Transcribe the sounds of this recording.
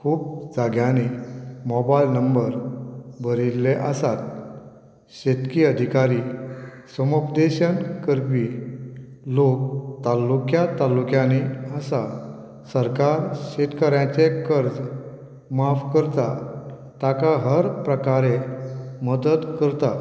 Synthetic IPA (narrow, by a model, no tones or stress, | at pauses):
kʰuːp̚d͡zaɡjãnimɔbailnəmbəɾbʱəɾilːeʔəsat̪̚ | ɕet̪kiəd̪ʱikaɾi | səmupd̪eɕənkəɾpi | lokt̪alːukjat̪alːukjãniəsa | səɾkaɾɕet̪kəɾjãt͡sekəɾd͡z | mafkəɾt̪a | t̪akaɦəɾpɾəkaɾeməd̪ət̪kəɾt̪a